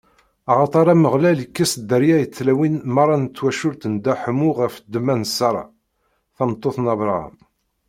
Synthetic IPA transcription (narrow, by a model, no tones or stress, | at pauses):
ɑʁɑt̪ˤɑɾˤɑməʁlæləkːæsd̪ːəɾjæjət͡sːlæwinmɑɾˤːɑnət͡s̪ːwæʃʊɾt̪ənd̪æħəmʊʁəfd̪ːmænsːɑɾˤɑ̰ | θɑmt̪ˤːoθnɑvɾˤɑ̰m